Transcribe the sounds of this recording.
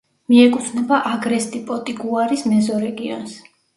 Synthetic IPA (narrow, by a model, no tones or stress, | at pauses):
miɛkʼut̪ʰnɛbaʔaɡɾɛst̪ʼipʼɔt̪ʼiɡuaɾismɛzɔɾɛɡiɔ̰ns